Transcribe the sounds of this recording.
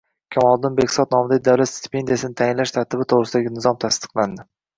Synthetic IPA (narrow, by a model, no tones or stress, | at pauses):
kʲʰamɒlˠd̪ɪnbekʲsɒt̪̚nɒmɪd̪ad̪awlat̪st̪ɪ̥pʰe̞nd̪ijasɪnɪt̪ʰajɪnlaʃt̪ʰaɾt̪ʰɪbɪt̪ʰoʁɾɪsɪd̪aɡʲɪnɪzɒmt̪ʰast̪ɨ̥qlˠand̪ɪ